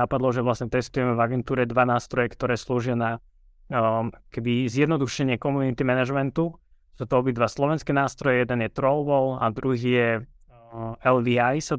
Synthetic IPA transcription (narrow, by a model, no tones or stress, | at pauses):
apad̪lˠɔʒɛʋlasɲɛt̪ɛst̪ujɛmɛvaɡɛnt̪uːɾɛd̪ʋanaːst̪ɾɔjɛkt̪ɔɾɛːsluːʒɪana | kkɛbizjɛd̪nɔd̪uʃɛɲɪɛkɔmunit̪imɛnaʒmɛnt̪u | sut̪ɔɔbid̪ʋaslɔʋɛnskɛnaːst̪ɾɔjɛjɛd̪ɛnjɛt̪ɾɔlʋɔla̰d̪ɾuɦiːjɛ | ɛld̪iajsa